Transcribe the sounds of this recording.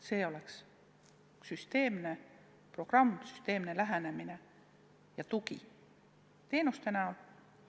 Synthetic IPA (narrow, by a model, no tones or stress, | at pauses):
se̞ːo̞le̞ks | syst̪e̞ːmne̞ | pro̞ɡ̥rɑmːsy̥st̪e̞ːmne̞læɦene̞mine̞ | jɑt̪uɡḭ | t̪e̞ːnust̪e̞nɑ